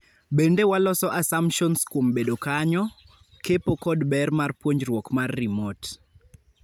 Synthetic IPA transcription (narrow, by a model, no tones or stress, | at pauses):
bendewalɔsɔʔasampʃɔnskwombedokaɲɔ | kepokɔdbɛrmarpwoɲd͡ʒrwɔkmarːimot